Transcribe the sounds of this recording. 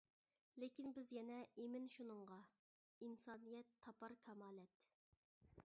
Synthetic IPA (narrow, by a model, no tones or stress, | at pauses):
lekʲinbɪzjɛnɛemɪnʃunɨŋʁɑ | insɑːnijɛt̪ʰːɑpɑɾkʲʰɛmɑːlɛt̪